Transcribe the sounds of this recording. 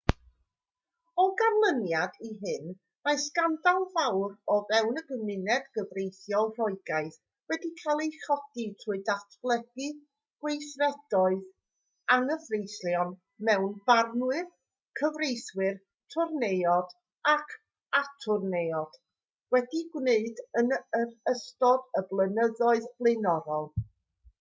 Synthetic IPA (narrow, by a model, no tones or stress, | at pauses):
ɔɡarlˠənjadiɦɨn | majskandalˠvawrɔvɛwnəɡəmɪnɛdɡ̥əvrejθjɔlˠr̥ɔɨɡajθ | wɛdikʰalˠejχɔd̥itʰuɨdatʰb̥lˠɛɡi | ɡ̥wejθrɛd̥ɔɨð | aŋəvrejsljɔn | mɛwnbarnwɨð | kʰəvrejθwɨr | tʰʊrnejɔd̥ | akʰ | atʰʊrnejɔd̥ | wɛdiɡwneɨdənəərəstɔdəblˠənəðɔɨðblˠɨnɔɾɔlˠ